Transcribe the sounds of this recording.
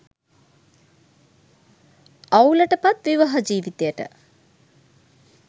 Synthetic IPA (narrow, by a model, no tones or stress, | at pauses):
awlɐʈəpat̪ʋiʋaɦad͡ʒiːʋit̪ejəʈə̰